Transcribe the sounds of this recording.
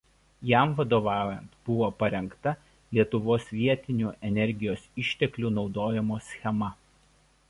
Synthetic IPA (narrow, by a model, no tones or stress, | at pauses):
jɛˑmʋɐd̪oːʋɑˑːjɛnt̪b̥ʊʋoːpɐɾʲɛŋkt̪ɐ | lʲiɛt̪ʊʋoːsʋʲiɛt̪ʲɪnʲuːʔɛnʲɛɾʲɡʲɪjoːsɪʃʲt̪ʲɛklʲuːnɒʊd̪oːjɛmoːsʲxʲɛmɐ